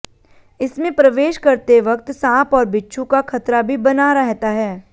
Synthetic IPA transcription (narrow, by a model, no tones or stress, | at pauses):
ɪsmẽpɾɐʋeːʃkɐɾt̪eʋɐkt̪sãːpɔːɾbɪtːʃʰũkakʰɐt̪ɾabʱibɐnaɾɐɦt̪aɦɛː